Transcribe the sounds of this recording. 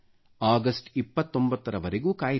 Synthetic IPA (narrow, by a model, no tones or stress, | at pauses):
aːɡɐsʈipːɐt̪ːo̞mbɐt̪ːɐɾɐʋɐɾeɡuːkaːj